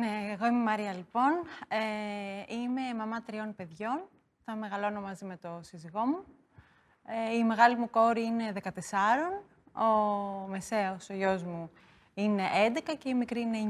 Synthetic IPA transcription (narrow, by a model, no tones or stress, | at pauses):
neeɣo̞ime̞mɐɾiɐlipo̞neime̞mɐmɐt̪ɾio̞npe̞ðʝo̞n | θɐme̞ɣɐlo̞no̞mɐzime̞t̪o̞siziɣo̞mu | eime̞ɣɐlimuko̞ɾiine̞ðe̞kɐt̪e̞sɐɾo̞n | ome̞se̞osoʝo̞zmu | ine̞ʔend̪e̞kɐce̞imikɾiine